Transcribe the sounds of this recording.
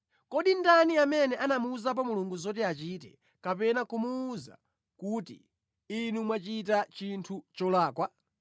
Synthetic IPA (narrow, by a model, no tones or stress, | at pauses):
kɔɗindaniamɛnɛʔanamuzap̬ɔmuluŋɡuzɔt̬ɛat͡ʃiːtɛ̰ | kapɛnakumuːza̰ | kutḭː | numwat͡ʃit̬at͡ʃintʰut͡ʃɔlaːkwa